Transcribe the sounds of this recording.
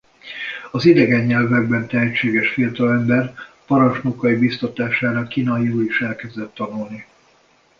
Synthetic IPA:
ɒzid̪ɛɡɛɲːɛlvɛɡbɛnt̪ɛɦɛt͡ʃːeːɡɛʃfiɒt̪ɒlɛmbɛr | pɒɾɒnʃnokɒibist̪ot̪aːʃaːɾɒkːiːnɒiuːliʃɛlkɛzd̪ɛt̪ːɒnulni

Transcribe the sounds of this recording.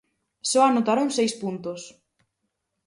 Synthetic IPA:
sɔanot̪aɾoŋsejspunt̪os

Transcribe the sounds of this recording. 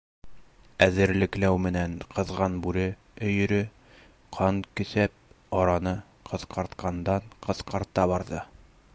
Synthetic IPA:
æðɘ̆ɾlɘ̆klæwmɘ̆næɴqɤ̆ðʁɑnbʉɾɘ | ɵ̆jɵ̆ɾɵ | qʰɑɴkɵ̆sæp̚ | ɒɾɑnɤ | qʰɤ̆ð̥qɑɾt̪qʰɑnd̪ɑɴqɤ̆ðqɑɾt̪ɑbɑɾðɤ

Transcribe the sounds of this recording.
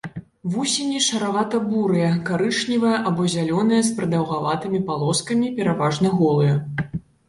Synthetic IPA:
vusʲinʲiʂɐɾavat̪ɐbuɾɨjɐkaɾɨt͡ʂnʲivɐjɐʔabɔzʲalʲɔnɐjɐspɾɨd̪ɐwɣavat̪ɨmʲipalˠɔskɐmʲipʲɛɾavaʐnɐɣɔlˠɨjɐ

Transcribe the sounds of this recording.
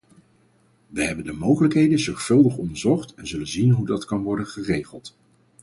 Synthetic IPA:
ʋəɦɛbəndəmowχələkɦejdənzɔɹχfɵlˠdəχɔndəɹzɔχtɛnzɵlənzinɦudɑtkɑnʋɔɹdənχərejχəlˠt

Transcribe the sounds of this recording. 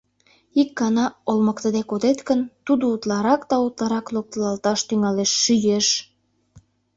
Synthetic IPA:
ikːɑnɑolməkt̪əd̪ekod̪et̪kənt̪ud̪out̪lɑɾɑkt̪ɑut̪lɑɾɑklok̚t̪əlɑlt̪ɑʃt̪yŋɑleʃːyjeʃ

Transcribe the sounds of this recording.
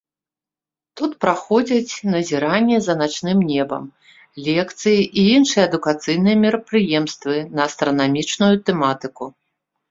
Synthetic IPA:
t̪ut̪pɾaxɔd͡zʲɐt͡sʲnɐzʲiɾanʲːɛzɐnat͡ʂnɨmnʲɛbɐ̰m | lʲɛkt̪sɨjiʔiinʂɨjɛːd̪ukat̪sɨjn̪ɨjɛmʲiɾɐpɾɨjɛmst̪vɨnɐːst̪ɾɐnamʲit͡ʂnujut̪ɛmat̪ɨku

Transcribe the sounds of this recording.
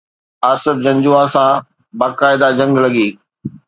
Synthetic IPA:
aːsɪfd͡ʑɐ̃ɲd͡ʑuaːsã | baːkaːɪd̪ad͡ʑɐ̃ŋɡlɐɡiː

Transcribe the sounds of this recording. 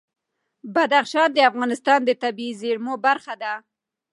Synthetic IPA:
bad̪axʃɑnd̪əafɣɑnɪst̪ɑnd̪ət̪abiizeɾmobaɾxad̪a

